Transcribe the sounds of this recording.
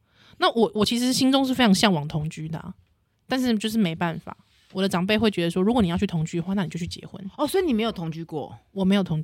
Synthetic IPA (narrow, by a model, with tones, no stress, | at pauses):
na˥˨wɔ˨˩wɔ˨˩t͡ɕʰi˧˥ʂ̬ɻ̩˧˥ɕi˥nʈ͡ʂʊ˥ŋʂ̬ɻ̩˥˩fe˥ɪʈ͡ʂʰɑ˧˥ŋɕjɑ˥˩ŋwɑ˨˩ŋt̪ʰʊ˧˥ŋt͡ɕy˥d̪ə̰˨ | t̪a˥˧nʂɻ̩˥˩t͡ɕjo˥˧ʊʂ̬ɻ̩˥˩me˧˥ɪpa˥˩nfa̰˨˩˦ | wɔ˨˩d̪ə˦ʈ͡ʂɑ˨˩ŋpe˥˧ɪxwe˥˩ɪt͡ɕɥɛ˧˥d̪ə˧ʂwɔ˥ɻu˧˥kɔ˨˩ni˨jɑ˥˧t͡ɕʰy˥˩t̪ʰʊ˧˥ŋt͡ɕy˥də˧xwa˥˧na˥˩i˨˩jo˥˧ʊt͡ɕʰy˥˩t͡ɕjɛ̰˧˥xwə̰˦nɔ˥˨˩swɔ˧˥i˨˩ni˨me˧˥ɪjo˨˩t̪ʰo˧˥ŋt͡ɕy˥kwɔ̰˥˨wɔ˨˩m˧˥jo˨˩ʊt̪ʰo˧ŋ